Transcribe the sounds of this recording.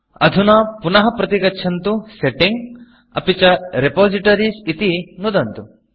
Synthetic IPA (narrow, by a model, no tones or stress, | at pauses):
ɐd̪ʱunapunɐɦɐpɾɐt̪iɡɐtːʃʰɐnt̪useʈiŋɡ | ɐ̰pit͡ʃɐɾepoːziʈɐɾisit̪inud̪ɐnt̪u